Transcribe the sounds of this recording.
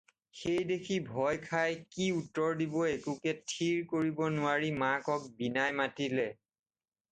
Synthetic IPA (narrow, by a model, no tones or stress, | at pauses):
xejdekʰibʱɔjkʰajkiutːɔɹdibɔekukɛtʰiɹkoɹibɔnʊwaɹimakɔk̚binajmatilɛ